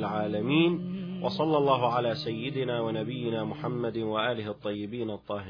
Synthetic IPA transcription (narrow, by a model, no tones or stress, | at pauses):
lʕaːlamiːnwɑsˤɑlːɑlˤːɑːɦʊʕalaːsajːɪd̪ɪnaːwanabɪjːɪnaːmʊħamːad̪waʔaːlɪhʔɑt̪ˤːɑjːɪbiːnɑt̪ˤːɑːhɪ